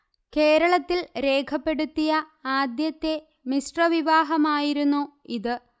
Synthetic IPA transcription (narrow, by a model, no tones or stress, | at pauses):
ke̞ːɾɐɭɐt̪ːilɾe̞ːkʰɐpːe̞ɽut̪ːijɐ | aːd̪jɐt̪ːe̞ | misʈrɐʋiʋaːɦɐmaːjiɾunːu | iðɨ